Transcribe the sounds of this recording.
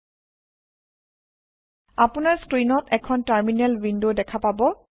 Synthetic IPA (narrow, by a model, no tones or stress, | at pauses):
apʊnaɹskɹinɔtɛkʰɔntaɹminɛlvindodɛkʰapabɔ